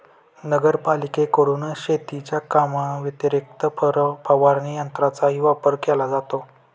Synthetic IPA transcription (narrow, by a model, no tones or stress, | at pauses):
nəɡəɾpalikekəɽuːnɕet̪it͡ɕjakamaʋət̪əɾik̚t̪əpʰəʋaɾnijənt̪ɾat͡saɦiːʋapəɾkɛlad͡zat̪o